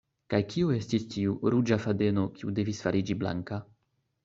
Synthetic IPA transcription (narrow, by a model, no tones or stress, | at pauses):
kajkiue̞stistiuɾud͡ʒafade̞no̞kiude̞visfaɾʔid͡ʒibla̰ŋka